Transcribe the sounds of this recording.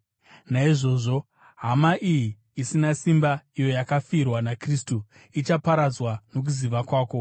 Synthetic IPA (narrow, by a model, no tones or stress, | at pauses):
naiʐo̞ːʐo̞ | ɦamaʔijiː | sinasimbaijo̞jakafiːrwanakristu | it͡ʃapaɾad͡zwano̞k̬uziʋakwaːko̞